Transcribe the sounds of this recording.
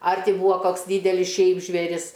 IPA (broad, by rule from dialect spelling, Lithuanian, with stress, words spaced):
ˈɐr ˈtʲɪ ˈbuːɐ ˈkoːks ˈdʲiːdʲɛlʲɪs ˈʃʲɛɪp ʒʲʋʲeːˈrʲɪs